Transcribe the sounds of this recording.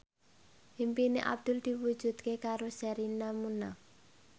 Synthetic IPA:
himpineʔa̰b̚d̪̥ʊld̪̥i̤wud̥ʒ̥ṳd̪̚kekaɾosɛɾinamuna

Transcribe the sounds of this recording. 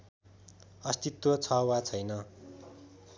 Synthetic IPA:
ʌst̪it̪wʌt͡sʰʌwat͡sʰʌjnʌ

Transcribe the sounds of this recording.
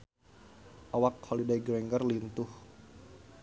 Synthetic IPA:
ʔawakhɔlidajɡɾɛŋɡərlint̪ʊh

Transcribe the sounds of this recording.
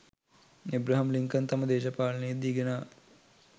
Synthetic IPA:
ebɾaɦɐmliŋkənt̪aməd̪eːʃəpaːlɐnejed̪iːɡenaː

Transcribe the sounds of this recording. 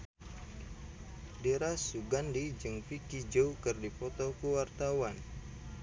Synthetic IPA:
deɾasuɡandid͡ʒɨŋfikid͡ʒowkɨrdipɔt̪ɔkuwart̪awan

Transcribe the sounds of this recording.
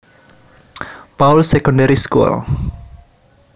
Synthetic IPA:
pawlsɛkɔ̃ndaɾiskuə̰l

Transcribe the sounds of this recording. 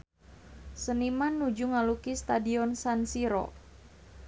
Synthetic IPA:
sənimanːud͡ʒuŋalukist̪adiɔnsansiɾɔ̰

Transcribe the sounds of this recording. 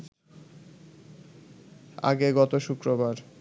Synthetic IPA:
a̰ɡeɡɔt̪oʃukɾobaɾ

